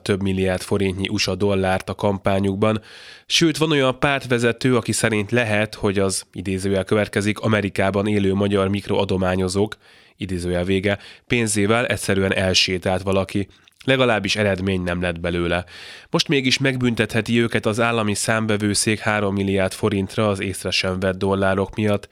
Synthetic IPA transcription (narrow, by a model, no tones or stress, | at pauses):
t̪ø̞bmilːiaːrt̪fo̞ɾint̪ɲiʔuʃɒd̪o̞lːaːrt̪ɒkɒmpaːɲuɡ̚bɒnʃøːt̪ʋɒno̞jɒmpaːrt̪ʋɛzɛt̪øːɒkisɛɾint̪lɛɦɛt̪ho̞ɟɒzḭd̪eːzøːjɛlkøvɛt̪kɛzikɒmɛɾikaːbɒneːløːmɒɟɒrmikro̞ɒd̪o̞maːɲo̞zoːk | id̪eːzøːjɛlveːɡɛpeːnzeːvɛlʔɛcʲsɛɾyɛnʔɛlʃeːt̪aːt̪ʋɒlɒki | lɛɡɒlaːbːiʃɛɾɛd̪meːɲnɛmlɛd̪̚bɛløːlɛmoʃt̪meːɡiʃmɛɡbynt̪ɛt̪hɛt̪iøːkɛt̪ɒzaːlːɒmisaːɱvɛvøːseːkhaːɾo̞mːilːiaːrt̪fo̞ɾint̪rɒːzeːsrɛʃɛɱvɛd̪ːo̞lːaːɾo̞kmijɒt̪ː